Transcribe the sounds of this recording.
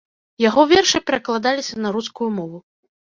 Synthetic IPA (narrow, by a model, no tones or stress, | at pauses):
jaɣɔvʲɛrʂɨpʲɛɾɐklˠad̪alʲisʲɐnɐɾuskujumɔvu